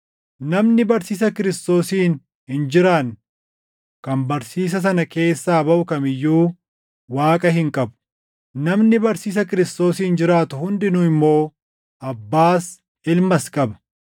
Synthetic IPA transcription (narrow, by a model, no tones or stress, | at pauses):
nɐmnɪbɐɾsiːs̬ɐkɪɾɪst̪o̞ːsiːn | hɪnd͡ʒɪɾaːn | kɐmbɐɾsiːs̬ɐs̬ɐnɐke̞ːsːaːbɐʔʊkɐmɪjːuː | waːkʼɐhɪŋkʼɐbʊ̥ | nɐmnɪbɐɾsiːs̬ɐkɪɾɪst̪o̞ːsiːnd͡ʒɪɾaːt̪ʊhʊnd̪ɪnʊɪmːo̞ː | ʔɐbːaːs | ɪlmɐskʼɐbɐ̥